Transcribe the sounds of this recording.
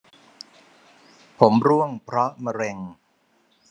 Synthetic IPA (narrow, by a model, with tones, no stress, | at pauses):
pʰo˩˦mɾu˥˩əŋpʰɾɔ˦˥ma˧ɾe˧ŋ